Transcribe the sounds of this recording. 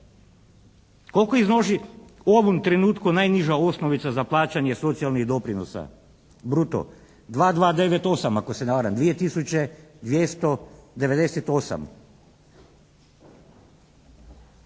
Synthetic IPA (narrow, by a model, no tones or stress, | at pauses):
ko̞lkoiznoʒioʋomt̪ɾenuːt̪kunajniʒao̞snoʋit̪sazaplˠaːt͡ɕaɲeso̞t̪sijalniɣd̪o̞pɾinosa̰ | bɾut̪o̰ | d̪ʋaːd̪ʋaːd̪e̞ʋet̪o̞samako̞senaʋaɾamd̪ʋije̞t̪isut͡ɕe̞d̪ʋjest̪o̞d̪eʋed̪e̞set̪o̞sa̰m